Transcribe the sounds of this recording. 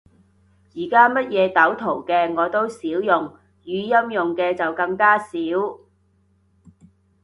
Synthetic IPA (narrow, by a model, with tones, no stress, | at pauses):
jiː˨˩kaː˥mɐ˥t̚jɛː˨˧t̪ɐ˨˥wt̪ʰo˨˩wkɛː˧ŋɔː˨˧t̪o˥wsiː˨˥wjʊ˨ŋ | jyː˨˧jɐ˥mjʊ˨ŋkɛː˧t͡sɐ˨wkɐ˧ŋkaː˥siː˨˥w